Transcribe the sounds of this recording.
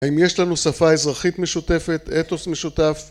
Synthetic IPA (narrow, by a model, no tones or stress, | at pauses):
aimje̞ʃlanusafaezʁaχit̪me̞ʃute̞fe̞t̪et̪osme̞ʃut̪af